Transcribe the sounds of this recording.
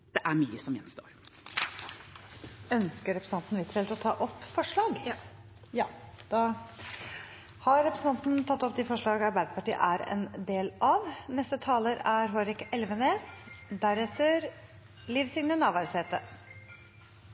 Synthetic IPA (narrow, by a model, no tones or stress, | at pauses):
d̪̥ɛʔæɾmyːəsɔmjɛnst̪o̰ːɾ | œnskəɾɛpɾəsɑnt̪n̩ʋɪt̪ɾɛlt̪ɔt̪ʰɑ̰ːʔɔpːfɔʂɭɑːɡ | jɑːd̪̥ɑ | hɑɾːɛpɾəsn̩ʰɑnt̪n̩t̪ʰɑt̪ːɔp̚d̪ɪfɔʂɭɑːɡəɑɾbæɪd̪əpɑʈiːə̰ʔæɾɛ̰nd̪eːlʔɑʋnɛst̪ət̪ʰɑːləɾæɾɦoːɾɪkɛlʋəneːsd̪æɾɛt̪əɾ | liːʋsɪŋnənɑːʋæɾseːt̪ə